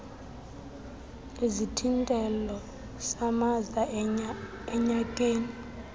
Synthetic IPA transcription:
ezitʰintʼɛlɔ | samaza | ɛɲakʼeːni

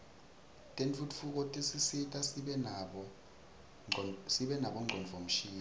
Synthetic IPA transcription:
tʼent͡fʰutʼfuk̬ʼotʼisisitʼasiɓɛnaɓɔ | siɓɛnaɓɔŋ͡ǃʱɔnvʱom̩ʃiːa

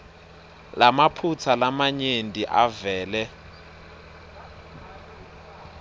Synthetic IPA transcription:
lamapʰut͡sʰalamaɲendʱiʔavɛːlɛ

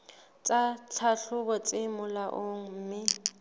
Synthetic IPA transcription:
t͡sʼat͡sʰaɬʊbɔt͡sʼɪmʊlaʔoŋ̩m̩ːmɪ

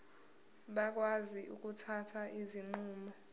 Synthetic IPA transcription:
ɓak̬waziʔuk̬ʼutʰatʰaʔiziŋ͡ǃuːmɔ

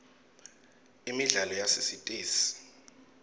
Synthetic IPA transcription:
imiɮalɔjasesitʼeːsi̥

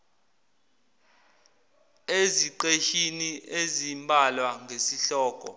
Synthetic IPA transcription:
eziǃeʃiniʔezimbʱalwaŋʱesiɬɔːkʼɔ̰

